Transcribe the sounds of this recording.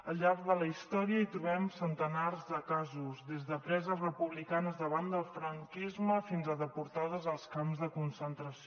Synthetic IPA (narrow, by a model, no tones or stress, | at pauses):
əlʎːaɾkðələist̪ɔɾiəit̪ɾuβɛmsənt̪ənarzðəkazuzðezðəpɾɛzərəpuβlikanəzðəβand̪əlˠfɾəŋkizməfinzəðəpuɾt̪aðəzəlˠskamzðəkunsənt̪ɾəsi